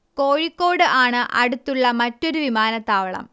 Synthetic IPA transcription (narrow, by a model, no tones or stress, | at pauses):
ko̞ːɻikːo̞ːɽɨʔaːɳɨʔɐ̰ɽut̪ːuɭːɐmɐtːo̞ɾuʋimaːnɐt̪ːaːʋɐɭɐ̰m